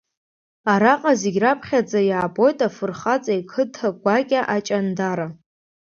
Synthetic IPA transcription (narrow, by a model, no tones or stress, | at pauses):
aɾaqʼazeɡʲrapʰχʲad͡zʼajaːbo̞jtʼafɨrχat͡sʼajkʰɨtʰaɡʷakʲʼaʔat͡ʃʼandaɾa